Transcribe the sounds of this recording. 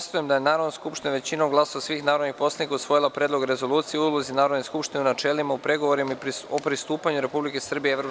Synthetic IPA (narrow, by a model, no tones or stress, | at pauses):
st̪ujemd̪ajenaːɾod̪noskupʃt̪ineʋe̞t͡ɕinomɡlˠasosʋiːxnaːɾo̞d̪nixpo̞slˠanikausʋo̞jilˠapɾeːd̪lˠo̞ɡɾe̞zo̞lˠuːt̪sijeulˠozinaːɾod̪neskupʃt̪ineunat͡ʃe̞limaupɾe̞ɡo̞ʋoɾimaopɾist̪uːpaɲuɾe̞publike̞sr̩bijeɾo